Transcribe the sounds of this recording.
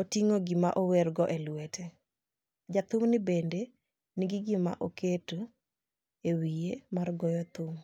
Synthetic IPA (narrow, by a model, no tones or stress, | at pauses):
otiŋoɡɪma̰ʔowerɡɔʔelwete | d͡ʒat̪ʊmnɪbende | niɡɪɡɪma̰ʔoketo | ewijemarɡɔjɔt̪ʊm